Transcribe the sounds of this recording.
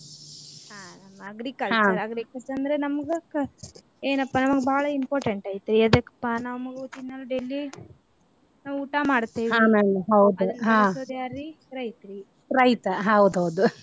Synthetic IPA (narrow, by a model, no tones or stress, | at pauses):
ɦaːnɐmːɐɐɡɾikɐlɦãt͡ʃɾɐɡɾikɐlt͡ʃɐɾɐnd̪ɾenɐmɐɡɐk | eːnɐpːanɐmɐɡebaːɭɐimpoːɾʈeɳʈaːjt̪ɾiɐd̪ekːɐ̥pːanɐmɐɡut͡ʃ̪inːɐlːɐɖelːi | naːʋuʈamaːɽt̪ːiːʋɦiaːmɛɽɐɦɐwd̪uɦãsod̪jaːɾi | ɾɐjt̪ɾi | ɾɐjt̪ɐɦɐwd̪ɦɐwd̪u